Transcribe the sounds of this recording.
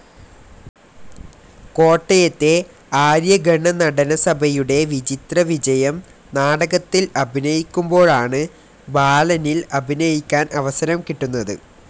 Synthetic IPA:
ko̞ːʈːɐjɐt̪ːe̞ | aːɾjɐɡɐɳːɐnɐɽɐnɐsɐbʱɐjuɽe̞ʋid͡ʑit̪rɐʋid͡ʑɐjɐm | naːɽɐɣɐt̪ːilɐbʱinɐjikʲːumbo̞ːɻaːɳɨ | baːlɐnilɐbʱinɐjikʲːaːnʔɐʋɐsɐɾɐmkiʈːunːɐðɨ̰

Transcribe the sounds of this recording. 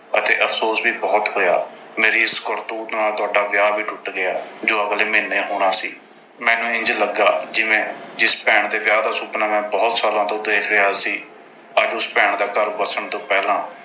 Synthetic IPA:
ət̪ḛːʔəfʰsoːsbiːbɔːt̪ɦoːja̰ː | meːɾiːɪskɔɾt̪uːt̪naːlt̪ʊaːɖaːʋjaːbiːʈʊʈɡɪaːd͡ʒoːəɡleːmeːnːeːɦoːɽ̃aːsiː | mɛ̃ːnũːɪ̃ɲd͡ʒləɡa̰ːd͡ʒɪʋẽːd͡ʒɪspɛːɳd̪eːʋjaːd̪aːsʊːpnaːmɛ̃ːbɔːt̪saːlãːt̪õːd̪eːkʰɾɪaːsiː | əd͡ʒʊspɛːɳd̪aːɡəɾbəsəɳt̪õːpɛːlãː

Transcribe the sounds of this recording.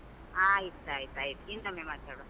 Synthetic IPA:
aːjit̪ːaːjt̪aːjt̪int̪ɐmemaːɽt̪aɽo

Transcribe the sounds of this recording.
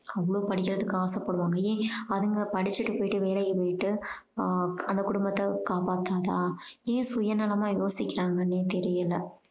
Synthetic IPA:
ɐʋːɐɭoːpɐɽɪk̬ʲːɪɾɐðɯkːɯaːsɐpːɐɽɯʋaːŋɡɐjẽːɐðɯŋɡɐpɐɽɪt͡ʃːɪʈːɯpoːjɪʈːɯʋeːlɐjɐpoːjɪʈːɯ | ɐnd̪ɐkʊɽʊmbɐt̪ːɐkaːpaːt̪ːaːt̪aːẽːsʊjɐnɐlɐmaːjoːsɪkʲːɪɾaːŋɡɐnːeːt̪ɛɾɪjɐlːɐ

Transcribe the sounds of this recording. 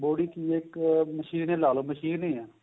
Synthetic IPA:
boːɽiːkiːeːkməʃiːnẽːlaːloːməʃiːnĩːɛː

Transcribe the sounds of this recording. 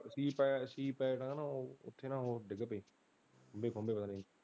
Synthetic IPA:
siːpɛːsiːpɛːʈãːnãːoːʊ̰t̪ʰːeːnãːoːɖɪɡəpeː | kʰõmbeːkʰombeːpət̪aːnĩː

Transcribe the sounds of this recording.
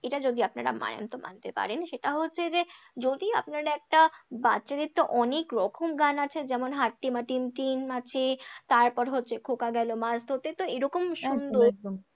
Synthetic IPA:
eʈad͡ʑod̪iapnaɾa̰ma̰nḛnt̪oma̰nt̪epa̰ɾenʃeʈaɦotːɕʰed͡ʑed͡ʑod̪ia̰pnaɾaɛk̚ʈabatːɕad̪it̪ːoʔɔnekɾɔkʰomɡanat͡ɕʰed͡ʑɛmonɦaʈːimaʈimʈinmat͡ɕʰit̪aɾpɔɾɦotːɕʰekʰokaɡɛlomasd̪ʱot̪et̪oeɾɔkomʃund̪oɾ

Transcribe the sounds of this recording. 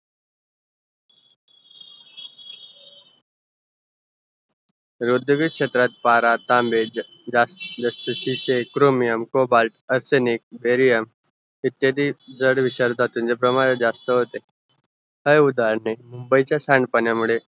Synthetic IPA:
ɾud̪ʱuɡikʂet̪ɾat̪̚paɾat̪ambe | d͡zasd͡zəst̪əɕiɕekɾomijəmkobalʈəɾsenik̚beɾijəm | it̪jed̪id͡zəɽʋiɕəɾd̪ʱat̪ũnd͡ʑepɾəmaɾed͡zast̪əɦot̪e | həjud̪aɾɳemumbəit͡ɕjasaɳɖpənjamuɭe

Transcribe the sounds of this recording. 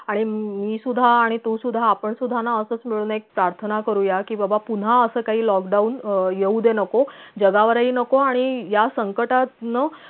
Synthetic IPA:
aɽ̃imiːsud̪ʱːaːɽ̃it̪usud̪ʱːaːpəɳsud̪ʱanaəsəːt͡smiɭuːnek̚pɾaɾt̪ʰənakəɾujakiːbəbapun̤aəsəːkaɦiːlɔkɖaunjeud̪enəkod͡ʑəɡaʋəɾaiːnəkoaɽ̃ijasəŋkəʈat̪nəː

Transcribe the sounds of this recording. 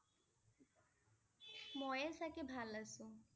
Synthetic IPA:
mɔjesɛkebʱalasu

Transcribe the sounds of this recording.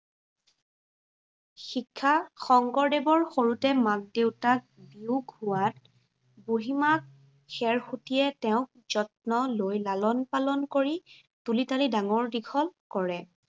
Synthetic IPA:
xikʰːaxɔŋɡɔɹdebɔɹxoɹutɛmak̚dewtak̚biuɡhuat̚ | boɦimak̚ | xɛɹxutijɛtɛʊ̃k̚z̥ɔtnɔlojlalɔnpalɔnkoɹi | tulitalidaŋɔɹdikʰɔlkɔɹɛ

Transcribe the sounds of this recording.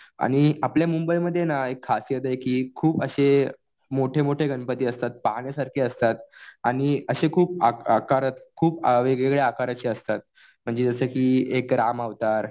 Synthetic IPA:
a̰ɽ̃iapljamumbəjməd̪ʱːjenaekʰːasjəd̪ajkiːkʰuːpəɕe | moʈʰemoʈʰeɡəɳpət̪iːəst̪at̪̚paɦɳjasaɾkʰiəst̪at̪aɽ̃iəɕekʰuːp̚aakaɾət̪kʰuːpʋeɡɭeɡɭeakaɾat͡ɕiːəst̪at̪̚ | m̤əɳd͡zed͡zəsəkiːekɾamaʋt̪aɾ

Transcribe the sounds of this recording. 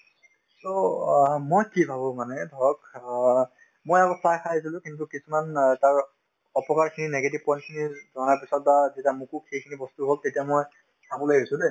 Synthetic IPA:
so | mojkibʱabɔ̃manɛdʱɔɹɔk | mojaɡɔsajkʰajsilʊ̃kintukisumantaɹ | ɔpɔkaɹkʰininɛɡet̬ib̚pɔjnkʰinizɔnaɹpisɔt̚bazetiamukukxejkʰinibɔstuɦoltetijamoj | sabɔlojɦojsʊ̃de

